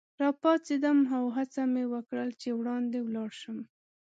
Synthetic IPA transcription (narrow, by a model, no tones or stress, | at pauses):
ɾɑpɑt͡sid̪amɦawɦat͡samewəkɽəlt͡ʃewɽɑnd̪ewlɑɽʃəm